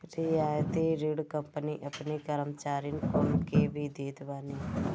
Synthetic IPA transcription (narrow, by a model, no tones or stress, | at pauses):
ɾɪjaːjt̪iɾiɽkəmpəniʔɐpnekəɾəmt͡ʃaːɾɪnkoːlkebʱid̪eːd̪ʋaːniː